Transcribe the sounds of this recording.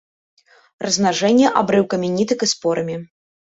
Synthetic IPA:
rɐznaʐɛnʲːɛʔa̰bɾɨwkɐmʲinʲit̪ɨkɨspɔɾɐmʲi

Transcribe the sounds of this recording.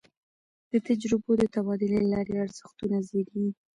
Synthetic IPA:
d̪̥ət̪ad͡ʒɾɪbod̪ət̪abɑd̪ɪlelalɑɾeaɾz̥əxt̪unazeɾi

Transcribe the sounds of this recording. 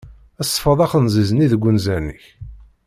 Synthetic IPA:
æsˤːə̥fəðˤɑχənzizəniðəɡʷːʊnzæniç

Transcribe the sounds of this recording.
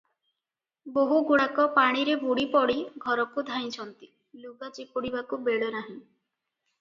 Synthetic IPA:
boɦuɡuɽakɔpaɽ̃iɾebuɽipɔɽiɡʱɔɾɔkud̪ʱaj̃t͡ʃʰɔnt̪i̥ | luɡat͡ʃipuɽibakubeɭonaɦĩ

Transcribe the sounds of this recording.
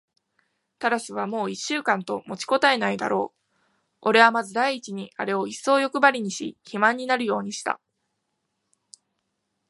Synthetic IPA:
t̪aɾaɕiβ̞amo̞ːiɕːɨːkãnt̪o̞mo̞t͡ɕi̥ko̞t̪ae̞naid̪a̰ɾʔo̞ː | o̞ɾe̞βamazɨd̪aiːt͡ɕiɲ̟ia̰ɾe̞o̞isːo̞ːjo̞kɯ̟baɾʲiɲ̟iɕḭçimãɲ̟ːinaɾɯ̟jo̞ːɲ̟iɕi̥t̪a̰

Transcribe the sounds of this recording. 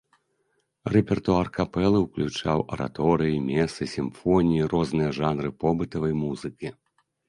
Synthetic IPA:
rɛpʲɛrt̪uarkapɛlˠɨwklʲut͡ʂawʔɐ̰ɾʔa̰t̪ɔɾɨjimʲɛsɨsʲimfɔnʲijirɔznɨjɐʐanɾɨpɔbɨt̪ɐvɐjmuzɨkʲi

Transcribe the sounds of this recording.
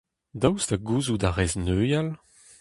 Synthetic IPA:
dawsdaɡuːzudaʁɛznøːjal

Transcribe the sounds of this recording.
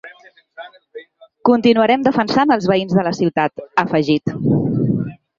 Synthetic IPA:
kunt̪inuəɾɛmd̪əfənsanəlˠzβəinzðələsiwt̪at̪əfəʒit̪

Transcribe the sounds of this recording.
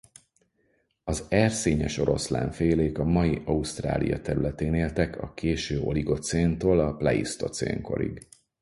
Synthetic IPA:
ɒzɛrseːɲɛʃo̞ɾo̞sla̰ːɱfeːleːkɒmɒjiʔɒust̪ra̰ːlḭjɒt̪ɛɾylɛt̪eːneːlt̪ɛkʰɒ̰kʰeːʃøːo̞liɡo̞t̪seːnt̪oːlɒplɛḭst̪o̞t̪sḛːŋko̞̰ɾḭɡ

